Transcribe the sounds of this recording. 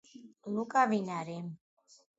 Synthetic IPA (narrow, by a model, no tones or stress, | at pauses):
lukʼavinaɾim